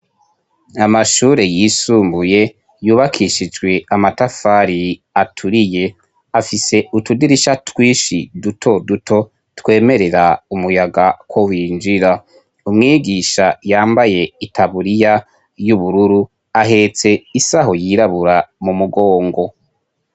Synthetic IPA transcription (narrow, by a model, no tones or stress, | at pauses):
amaʃuːɾe̞jiːsuːmbuje̞ | juːβakʰiʃid͡ʒɡwe̞amatafaːɾiatʰuɾije̞ | afise̞utudiɾiʃatwiːʃidutʰo̞dutʰo̞ | twe̞ːme̞ɾe̞ɾaumujaɡakwo̞wiːnd͡ʒiɾa | umŋiːɡiʃajaːmbaje̞itʰaβuɾija | juβuɾuɾu | aɦe̞t͡se̞isaɦo̞jiɾaβuɾamumuɡo̞ːŋɡo̞